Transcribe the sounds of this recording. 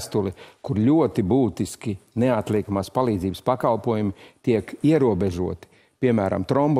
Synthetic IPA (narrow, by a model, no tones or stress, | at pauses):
st̪ulˠikuɾlʲuɔt̪ibuːt̪iskineat̪lʲˠiɛkamaːspalˠiːd̪ziːbəspakalˠpuɔjumit̪iɛkiɛɾuɔbeʒuɔt̪i̥ | pʲiɛmæːɾa̰mt̪ɾɔmb